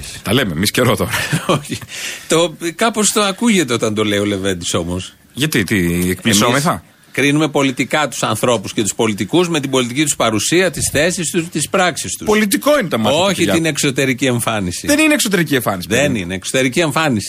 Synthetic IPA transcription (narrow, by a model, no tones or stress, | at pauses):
t̪ɐlememisceɾot̪o̞ɾɐoçit̪o̞kɐpo̞st̪oɐkuʝe̞t̪eo̞t̪ɐnd̪o̞le̞io̞le̞ve̞nd̪iso̞mos | ʝɐt̪it̪iekplisomeθɐ | kɾinume̞po̞lit̪ikɐt̪u̥sɐnθɾo̞pusce̞t̪u̥spo̞lit̪ikuzme̞t̪ibo̞lit̪icit̪u̥spɐɾusiɐt̪isθe̞sist̪ust̪ispɾɐksist̪upolit̪̬iko̞inet̪ɐmɐoçiinekso̞t̪e̞ɾicie̞ɱfɐnisiðenineksot̪e̞ɾicieɱfɐnisiðenineːkso̞t̪e̞ɾicie̞ɱfɐnisi